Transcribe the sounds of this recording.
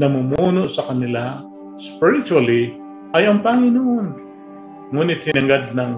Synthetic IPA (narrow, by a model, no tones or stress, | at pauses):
nɐmumuːnoʔsɐkɐnɪla | spɪɾɪt͡ʃuɐli | ɐjɐŋpɐŋɪnoʔn | ŋuːnɪt̪̚hɪnɐŋɡad̪̚nɐŋ